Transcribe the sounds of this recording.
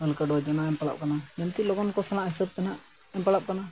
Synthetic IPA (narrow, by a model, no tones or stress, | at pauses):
əlkəɖɔd͡ʒanaɛmpala̰p̚kanamɛmt̪ilɔɡɔnkɔsalãʔɦisəb̚t̪anaʔ | ɛmpalap̚kana